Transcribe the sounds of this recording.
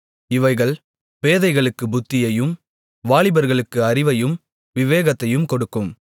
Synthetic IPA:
ɪʋɐɪɣɐɭ | peːðɐɪɣɐɭɯkːɯbʊt̪ːɪjɐjɯm | ʋaːɭɪbɐɾɣɐɭɯkːɯɐrɪʋɐjɯm | ʋɪʋeːɣɐt̪ːɐjɯmkɔɽɯkːɯm

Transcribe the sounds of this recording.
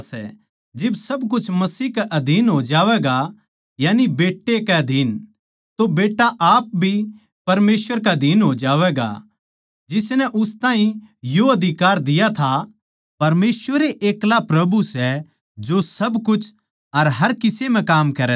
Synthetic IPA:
sɛ̰ | d͡ʒɪbsɐbk̬ʊt͡ʃʰmɐsiːkɛʔɐd̪ʱiːnɦoːd͡ʒaːʋɛɡa | jaːnibeːʈːekɛɐd̪ʱiːn | t̪obeːʈːaʔaːp̚bʱi | pɐɾmeːsʋəɾk̬ad̪ʱiːnɦoːd͡ʒaːʋɛɡa̰ | d͡ʒɪsnɛʔʊst̪ãːĩjoɐd̪ʱɪkaːɾd̪ɪjat̪ʰa | pɐɾmeːsʋəɾeʔeːklapɾɐbusɛ | d͡ʒosɐbkʊt͡ʃʰ | ɐɾɦɐɾkɪsem̤ɛ̃kaːmkɐɾɛ

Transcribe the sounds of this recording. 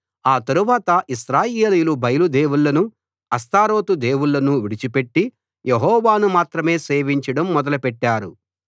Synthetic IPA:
aːt̪ɐɾuʋaːt̪ɐʔiʃɾaːjeːlijulubʱɐjɐlud̪e̞ːwuɭːɐnu | ɐst̪aːɾo̞ːt̪ud̪e̞ːwuɭːɐnuʋiɽit͡ʃipe̞ʈːi | jeɦɔːʋaːnumaːt̪ɾɐme̞ːse̞ːʋiɲt͡ʃɐɽɐmːɔd̪ɐlɐpɛʈːaːɾu

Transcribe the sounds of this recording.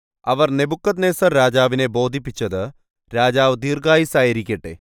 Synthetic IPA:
ɐʋɐrne̞bukːɐd̪neːsɐrɾaːd͡ʑaːʋine̞bo̞ːd̪ʱipːit͡ɕːɐðɨ | ɾaːd͡ʑaːʋd̪iːrɡaːjisaːjiɾikʲːɐʈːḛ

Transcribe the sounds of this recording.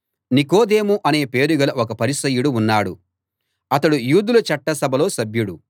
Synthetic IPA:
nikoːd̪e̞ːmuʔɐne̞ːpe̞ːɾuɡɐlɐʔɔkɐpɐɾisɐjuɽuːnːaːɽu | ɐt̪ɐɽujuːd̪ulɐt͡ʃɐʈːɐsɐbʱɐlo̞ːsɐbjuɽu

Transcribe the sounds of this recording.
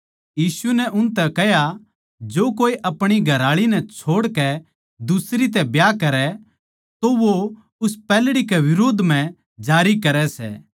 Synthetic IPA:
jiːsunɛʔʊnt̪ɛkɛɦja | d͡ʒoːkoːiʔɐpɽ̃iɡʱɐɾaːɭinɛt͡ʃʰoːɽkɛ | d̪ʊsɾit̪̬ɛbjaːkɐɾɛ | t̪oʋo | ʊspɛːlɽikɛʋɪɾoːd̪ʱm̤ɛ̃ | d͡ʒaːɾikɐɾɛsɛ̰ː

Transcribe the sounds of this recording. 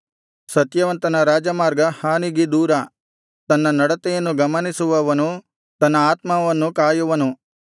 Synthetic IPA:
sɐt̪jɐʋɐnt̪ɐnɐɾaːd͡ʒɐmaːɾɡɐhaːniɡid̪uːɾɐ | t̪ɐnːɐnɐɽɐt̪ɛjɐnːuɡɐmɐnisuʋɐʋɐnu | t̪ɐnːɐaːt̪mɐʋɐnːukaːjuʋɐnu

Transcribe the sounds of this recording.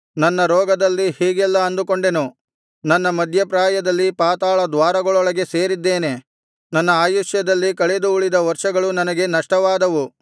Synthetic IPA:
nɐnːɐɾɔːɡɐd̪ɐlːihiːɡɛlːɐɐnd̪uko̞ɳɖe̞nu | nɐnːɐmɐd̪ʱjɐpɾaːjɐd̪ɐlːipaːt̪aːɭɐd̪ʋaːɾɐɡɐɭɔɭɐɡe̞se̞ːɾid̪ːe̞ːne̞ | nɐnːɐaːjuʂjɐd̪ɐlːikɐɭed̪uːɭid̪ɐʋɐɾʂɐɡɐɭunɐnɐɡe̞nɐʂʈɐʋaːd̪ɐʋu

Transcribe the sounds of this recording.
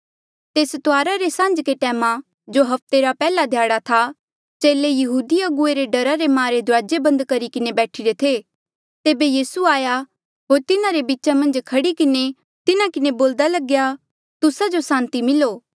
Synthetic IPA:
t̪eːst̪ʊaːɾaɾesãːnd͡ʒkeʈɛːma | d͡ʒoɦɐp̚ʰt̪eɾapɛːlad̪ʱjaːɽat̪ʰa | t͡ʃeːlejɐɦuːd̪iɐɡʊeɾeɖɐɾaɾemãːɾed̪ʱʊɾaːd͡ʒebɐ̃nd̪kɐɾikɪnebɛːʈʰiɾet̪ʰeː | t̪eːbejiːsuaːja | ɦoːɾt̪ɪnaɾebitːt͡ʃʃamɐ̃nd͡ʒkʰɐɽikɪne | t̪ɪnakɪneboːld̪alɐɡja | t̪ʊsad͡ʒosãːnt̪imɪloː

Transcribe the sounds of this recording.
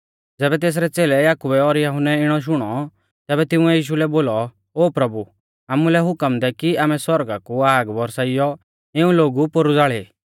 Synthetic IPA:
d͡zɛːbɛt̪̬eːs̬ɾɛt͡seːlɛjaːkubɛɔɾjɐɦʊnːɛɪɽ̃ɔʃ̬ʊɽ̃ɔ | t̪ɛːbɛt̪ɪuɛjiːʃ̬ulɛboːlɔ | oːpɾɐbu | aːmulɛɦʊkəmd̪ɛkiaːmɛsɔɾɡakuaːɡʋɔɾsaːɪjɔ | ɪũloːɡupoɾud͡zaːɭeː

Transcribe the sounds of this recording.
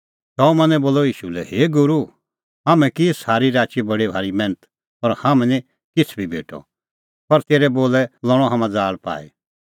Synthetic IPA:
t̪ɐːũmɐ̃nɛ̃boːlɔiːʃulɛheːɡʊɾu | ɦaːmɛ̃kisaːɾiɾaːt͡ʃibɐɽibʱaːɾimɛ̃ːnət̪ | ɐɾhamɛ̃nĩ | kɪt͡sʰbʱibʱḛːʈʰɔ̰ | pɐɾt̪eːɾɛboːlɛlɔɽ̃ɔɦaːmãd͡zaːlpa̰ːḭ

